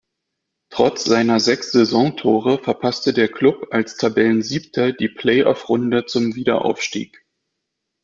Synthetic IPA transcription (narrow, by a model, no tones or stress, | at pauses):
tʁ̥ɔt͡sz̥aɪnɐzɛksz̥ɛzɔ̃ŋtʰoːʁəfɛɐpʰastədeːɐkl̥ʊpalstʰabɛlənziːptʰɐd̥iːpʰl̥ɛɪʔɔfʁʊndət͡sʊmviːdɐ̰ʔa̰ʊfʃtḭːk